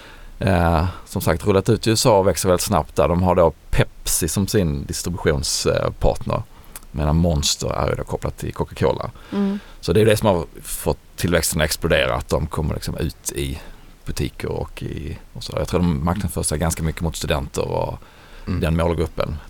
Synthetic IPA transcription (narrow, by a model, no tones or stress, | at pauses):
sɔmsak̚t̪ɾɵlːat̪ʉ̟ːt̪ɪʉːsɑːvɛksəɾvɛlɪt̪sna̰p̚t̪̚d̪æɖɔmɦaɖopʰɛpsɪsɔmsɪnd̪ɪst̪ɾɪbɵɧuːnspʰɑ̰ːʈnə̰ɾ | meːnanmɔnst̪ʰəɾæ̰ɾjɵ̰d̪oːkʰɔplat̪ʰːɪlkʰɔkakʰo̰ːlʔə̰ɾsɔd̪ɛːjɵd̪ɛsɔmhaɾfɔt̪ʰːɪlvɛkst̪ənaɛksplʊd̪eːɾa̰a̰t̪̚d̪ɔmkʰɔmːə̰lɪ̰ksɔmʉ̟ːt̪ʰɪ | b̥ɵt̪ʰiːkʰəɾɔ̰kɪɔsɔæːjɑkt̪ʰuːd̪ɔmmaɾknad̪sfœːsaɡanskamʏkːəmʊt̪st̪ɵd̪ɛnt̪ə̰ɾɔ̰ | d̪ɛnmoːlɡɾɵpːə̰n